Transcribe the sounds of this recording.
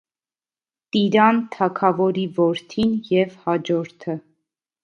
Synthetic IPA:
t̪iɾɑnt̪ʰɑkʰɑvɔɾivɔɾt̪ʰinjɛvhɑd͡ʒɔɾt̪ʰə

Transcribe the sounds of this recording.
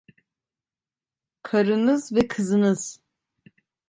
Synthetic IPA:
kʰaɾɯnɯzvɛkʰɯzɯnɯz̥

